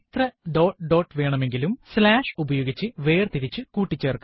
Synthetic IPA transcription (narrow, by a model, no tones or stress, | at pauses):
it̪rɐɖo̞ːʈɖo̞ːʈːʋe̞ːɳɐme̞ŋɡilumslaːʂubɐjo̞ːɡit͡ɕːɨʋe̞ːrt̪iɾit͡ɕːɨkuːʈːit͡ɕːɐːrkːɐ